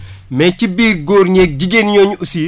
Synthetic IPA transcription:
mɛcibiːɡoːɾɲek̚ɟiɡeːnjoːɲusi

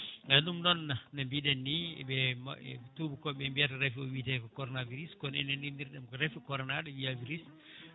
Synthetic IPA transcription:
ŋɡanumnɔnːanambiɗɛnːiɛɓɛm̰ɛ̰tubukɔɓɛmbiatɛɾɛfiɔwitɛkɔkɔɾɔnaviɾiskɔnɛnɛniniɾɗɛmkɔɾɛfikɔɾɔnaɗɛwiaviɾis

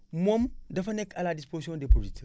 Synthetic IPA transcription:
momdɐfɐnekaladisposiõndepɾodit

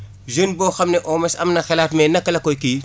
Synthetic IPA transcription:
zonbɔːxɐmnɛʔɔːmɛsɐ̰mnɐxɛlaːtmɛːnɐkːɐlɐkːɔjki

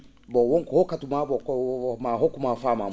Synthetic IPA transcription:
bɔwoŋkhokatumabɔkmaɦokumafama

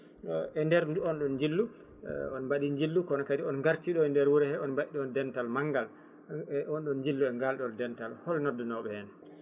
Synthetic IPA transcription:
ɗɔɛndɛɾnduɔnɗɔnd͡ʒilːu | ɔnmbaɗiɲd͡ʒilːukɔnɔkadiɔnŋɡaɾt͡ʃiɗɔɛndɛɾwuɾɛhɛɔnbaɗiɗɔndɛntalmaŋɡal | ɔnɗɔnɲd͡ʒilːuɛŋɡalɗɔdɛntalhɔlnɔdːɔnɔɓɛhɛn

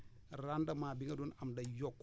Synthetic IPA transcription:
ɾandamaːbiŋɡadunamdajok

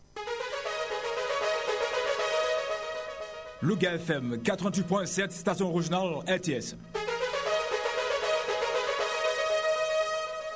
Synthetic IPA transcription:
loɡaɛfɛmkat̪ʁɑ̃t̪it̪pwɛ̃sɛt̪st̪asjɔ̃ʁiʒonalɛʁt̪eɛs

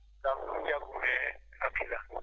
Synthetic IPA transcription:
kafuakumɛapʰila

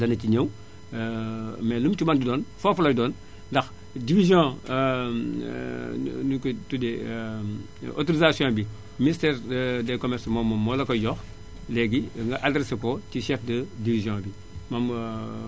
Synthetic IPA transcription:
dɐnɐciɲəw | mɛlumtimɐndidoːnfofɐlɐdɔːn | dɐx | divizjõː | nuktude | o̰toɾizasijõːbi | ministɛːɾdɛkomɛɾsmoːmːomːolɐkojɔx | lɛɡiŋɡɐʔadɾesekotiʃɛfdɐdivizjõbi | mom

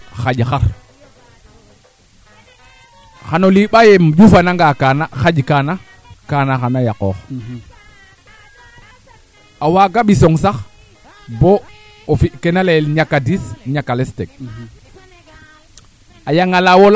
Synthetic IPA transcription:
xaɟxaɾ | xanoliɓajemd͡ʒufanaŋɡakanaxaɟkana | kanaxanajakɔːx | awaɡaɓisɔŋsax | bo | ofikenalelɲakadisɲakːalestek̚ | ajaŋalawol

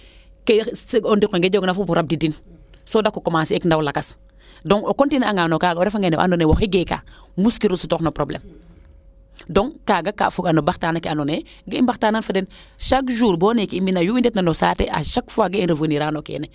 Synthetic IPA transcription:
kesondikoŋɡed͡ʒoknafubuɾab̚didin | sodakːukomaːsiekndawlakas | doŋokontinaŋanokaːɡaoɾefaŋeneʔa̰nonewoxiɡeka̰ | muskiɾusutoknopɾoblḛːm | doŋkaːɡaka̰fuɡanobaxtaːnakianone | ɡeimbaxtaːnanfaden | ʃakʒuːɾboːnekiiminajuindetnanosaːtḛʔa̰ʃakfuaɡeinɾəvəniɾaːnokḛːne

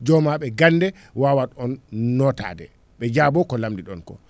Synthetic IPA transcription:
d͡ʒɔmaɓɛɡanːdɛ | wawaɗɔnːɔta̰ːdɛ̰ | ɓɛd͡ʒaːbɔkɔlamdiɗɔnkɔ̰

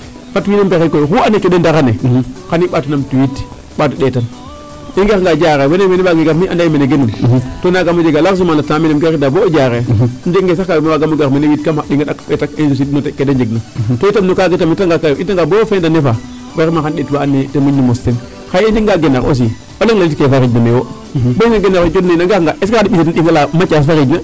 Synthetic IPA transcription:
fatwinempexekojxuanekeɗendaɣanekaniɓaːtunamtuwit | ɓat̬uɗetan | iɡexŋɡad͡ʒaɣewenemenibaɡeɡemiʔandajimeneɡenuntonaɡamod͡ʒeɡalaksumalataminemɡeidabod͡ʒaɣend͡ʒeɡŋɡes̬akabimaaɡamoɡemenewitkamaɗiŋɡaɗakɓetakenzus̬idnotekːedend͡ʒeɡnotoitamnokaɡetamitaŋɡakaitaŋɡabofendanefa | weɾmaxanɗetbaːnːitemuɲnimostin | xajend͡ʒeŋɡaɡenako̰s̬i | oleŋlalitkefaɾiɟnamewo | boaɡenaɾd͡ʒodnenaŋɡeŋɡaeskaadiɓisetnɗiŋɡalamat͡ʃafaɾiɟna

